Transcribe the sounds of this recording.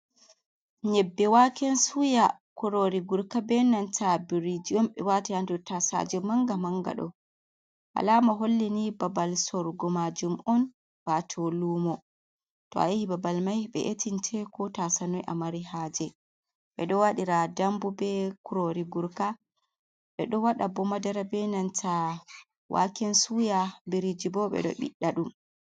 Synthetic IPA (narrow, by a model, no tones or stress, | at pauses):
ɲɛbːɛwakɛnsujakuɾoɾiɡuɾkabɛnantabiɾid͡ʒiɔmɓɛwatihandutasa̰d͡ʒɛmaŋɡamaŋɡa̰ɗɔ̰ | ʔa̰lamaɦolːinibabalsɔɾɡɔmad͡ʒumɔn | b̥atʰɔlumɔ | tɔ̰a̰jihibabalmajɓɛ̰ʔetintʰɛkɔtasanɔjʔamaɾiɦaːd͡ʒɛ | ɓɛɗɔwaɗiɾadambubɛkuɾoɾiɡuɾka | ɓɛɗɔwaɗabɔmadaɾabɛnantʰa | wʔa̰kɛnsujabiɾid͡ʒibɔɓɛ̰ɗɔ̰ɓḭɗːaɗum